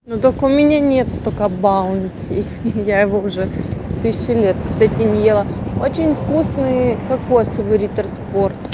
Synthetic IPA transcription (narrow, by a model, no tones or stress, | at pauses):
not̪okəʊmʲɪnʲanʲe̞t̪st̪okəbaʊnʲtʲɪ̰ | jajɪvoʊʐɛt̪ɨsʲɕːɪlʲet̪kst̪atʲɪnʲɪjelˠaot͡ɕɪnʲfkusnɨjkɐkːo̞səvɨɾʲit̪ərspo̞rt̪